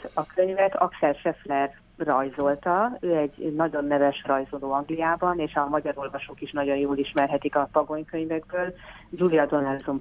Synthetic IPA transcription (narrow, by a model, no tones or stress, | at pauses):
ɒkʰø̞ɲvɛt̪ʰɒ̰ksɛlʃɛflɛrː | ɒjzo̞lt̪ɒøːɛɟnɒɟo̞nːɛvɛʃrɒjzoloːɒŋɡlijaːbɒneːʃɒmɒɟɒɾo̞lvɒʃoːkiʃnɒɟo̞njoːliʃmɛrɦɛt̪ikɒpɒɡo̞ɲkø̞ɲvɛɡbøːl | d͡ʒulijɒd̪o̞nɛlzum